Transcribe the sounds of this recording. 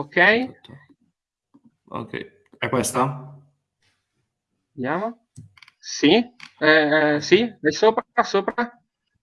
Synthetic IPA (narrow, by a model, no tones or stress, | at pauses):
okɛj̪ | o̰kːɛ̰j | ɛkːwest̪a | d̪jaːmo | siɛsiɛsoːpɾsoːpɾa